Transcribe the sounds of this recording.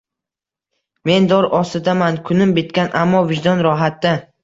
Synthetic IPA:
me̞nd̪ɒɾɒst̪ɪd̪amankʰʊnɪmbet̪kʲanʔamːɒvɪʒd̪ɒnɾɒɦat̪ːa

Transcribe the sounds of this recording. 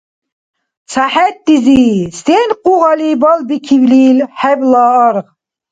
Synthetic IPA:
sʰaħɛt̪ːizist̪enquʁɑlibɑlbikʰiblilħɛblɑːɾʁ

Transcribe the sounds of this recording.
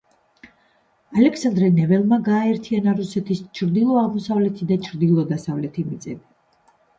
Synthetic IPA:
alɛksand̪ɾɛnɛvɛlˠmaɡaːɛɾt̪ʰianaɾusɛt̪ʰist͡ʃʰɾd̪ilˠɔaʁmɔsavlɛt̪ʰid̪at͡ʃʰɾd̪ilˠɔd̪asavlɛt̪ʰimit̪sʼɛbi

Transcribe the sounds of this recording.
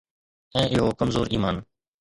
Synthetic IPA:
ẽːʔɪɦoːkəmzoːɾʔiːmaːn

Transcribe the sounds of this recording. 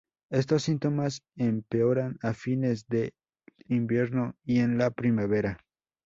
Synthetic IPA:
e̞s̬t̪o̞sːint̪o̞masempeo̞ɾanafine̞zðe̞ | imbje̞ɾno̞ie̞nlapɾimaβe̞ɾa

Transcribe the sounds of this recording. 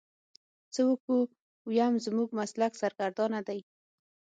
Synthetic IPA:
t͡səwəku | wjamzmuɡmaslaksaɾɡaɾd̪ɑnad̪aj

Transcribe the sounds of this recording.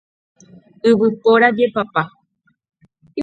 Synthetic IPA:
ɨβɨpoɾad͡ʒepapa

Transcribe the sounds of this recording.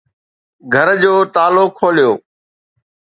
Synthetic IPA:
ɡʱəɾd͡ʑoːt̪aːlokʰːoːlijoː

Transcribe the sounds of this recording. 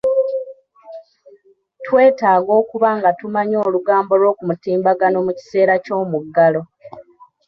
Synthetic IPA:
twe̞ːtaːɡo̞ːkuβaːŋɡatumaɲoːluɡaːmbo̞lo̞ːkumutiːmbaɡano̞muci̥se̞ːɾaco̞ːmuɡːalo̞

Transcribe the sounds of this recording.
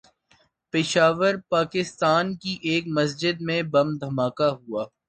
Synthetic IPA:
pɪʃaːʋəɾpaːkɪst̪aːnkiʔeːkmɐs̬d͡ʒɪd̪̚mẽbɐ̃md̪ʱɐmaːkaɦuaː

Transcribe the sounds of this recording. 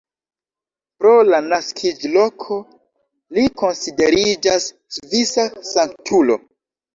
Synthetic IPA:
pɾo̞lanaskʰid͡ʒlo̞kʰo̞ | liko̞nside̞ɾid͡ʒasː | visasaŋktʰulo̞

